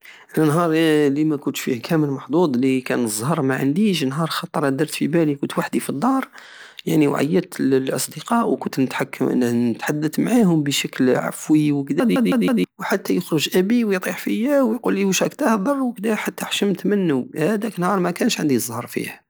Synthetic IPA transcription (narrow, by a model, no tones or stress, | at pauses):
lnɦɑɾˤlimækʊnt̪ʃfḭhkʰæməlmɑħd̪ˤud̪ˤlikænzˤhɑɾˤmaʕə̰nd̪iʃ̬nɦɑɾˤxɑt̪ˤːɑɾˤæd̪ɑɾˤt̪fibælikʊnt̪waħd̪ifid̪ˤːɑɾˤ | ja̰ʕniwʕa̰jːət̪əllʔɑ̰sˤd̪əqɑʔwkʊnt̪nət̪ħakːnnət̪ħad̪ːət̪maʕahʊmbəʃəklʕa̰fwiwəkd̪æd̪id̪id̪id̪iwħat̪ːæjəxɾəʒʔæbiwjt̪ˤiħfəjæwjqulːiwʃækt̪æhbɑrˤːwəkd̪æħat̪ːæħʃəmt̪mənːuhæd̪æknhɑɾˤmækænʃʕənd̪izˤhɑɾˤfḭh